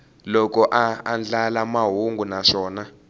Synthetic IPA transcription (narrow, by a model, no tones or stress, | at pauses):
lɔkɔʔaːnd͡ɮalamaɦuŋɡʱunaʂɔːna